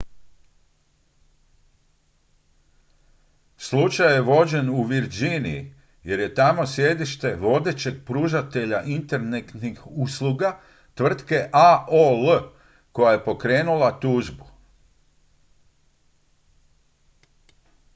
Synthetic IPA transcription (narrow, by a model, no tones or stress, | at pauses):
slut͡ʃajeʋo̞d͡ʑe̞nuʋiɾd͡ʑinḭḭ | je̞ɾje̞t̪amo̞sje̞d̪iʃt̪e̞ʋo̞d̪e̞t͡ɕe̞ɡ̚pɾuʒat̪e̞ʎaʔint̪e̞ɾnet̪nixusluɡa | t̪ʋr̩t̪ke̞ʔaʔol | ko̞jaje̞po̞kɾe̞ːnulat̪uʒbu̥